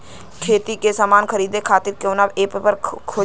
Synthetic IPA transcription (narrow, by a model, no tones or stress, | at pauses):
kʰeːt̪ikesamaːnkʰəɾiːd̪ekʰaːt̪ɪɾkõːnabeːppəɾkʰoː